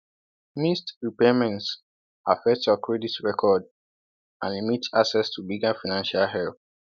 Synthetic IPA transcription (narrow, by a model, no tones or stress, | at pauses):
mistɹipemɛ̃nt | ʔafɛk̚tjɔkʰɹɛditɹɛkʰɔd | ã̰nlimitaksɛstʰubiɡafaɪnãnʃalɦɛlθ